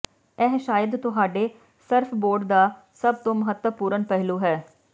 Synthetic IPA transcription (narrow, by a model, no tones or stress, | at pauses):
ɛːɦʃaːjəd̪t̪ʊɦaːɖeː | səɾfʰboːɖd̪aː | səb̚t̪õːməɦət̪ːəpuːɾənpɛɦluːɦɛː